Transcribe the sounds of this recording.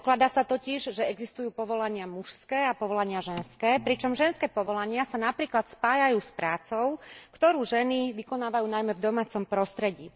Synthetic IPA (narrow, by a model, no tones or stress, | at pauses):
klad̪aːsat̪ɔciʒʒɛɛɡzist̪ujuːpɔʋɔlaɲɪamuʃskɛːapɔʋɔlaɲɪaʒɛnskɛːpɾit͡ʃɔmʒɛnskɛːpɔʋɔlaɲɪasanapɾiːklat̪spaːjajuːspɾaːt͡sɔʊkt̪ɔɾuːʒɛniʋikɔnaːʋajuːnajmɛvd̪ɔmaːt͡sɔmpɾɔst̪ɾɛɟiː